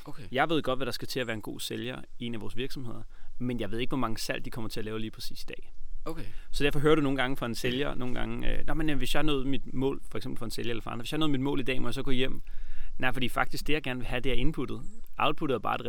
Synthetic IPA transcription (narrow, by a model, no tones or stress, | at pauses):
jɑ̈ɪʋe̝ð̞̰ˠɡ̥ɒ̽d̥ʋæɾ̥ɑ̈sɡ̥æt͡sʰe̝æʋæːɐenɡ̥o̝̰ːseljɐie̝næʋɒːsʋiɐɡ̥sɒ̽mhe̝ð̞̰ˠɐmenjɑ̈ɪʋˠeɡ̥ʋɒmɑ̈ŋəsæl̰d̥ikʰɒ̽m̰ɐt͡sʰe̝æɐlɛːʊliːpʰɛsḭːsid̥ɛ̰ː | sɒd̥æɐfɒɦøːɐɾ̥uno̝ːn̩ɡɑ̈ŋəfɒe̝nseljɐno̝ːn̩ɡ̥ɑ̈ŋəønɒmenʋe̝sjɑ̈ɪhɑnɔ̽ːð̞̩ˠmid̥mɔ̰̽ːlfɒ̽eɡ̥semb̥l̩fɒ̽e̝nseljɐelɐfɒɑ̈ndʁʋejhɑnɔ̽ð̩ˠmid̥mɔ̰̽ːlid̥ɛ̰ːmɒ̽jɑ̈s̬ɒ̥ɔ̰̽ːjem̰nɑ̈ɪfɒ̽d̥ḭːfɑ̈ɡ̥d̥isɡ̥̚d̥e̝jäɪɡ̥æɐn̩ʋe̝ɦæd̥e̝æɐe̝npʰud̥ð̩ˠʔɑ̈ʊd̥̚pʰuɾð̩ˠæbɑ̈ːd̥e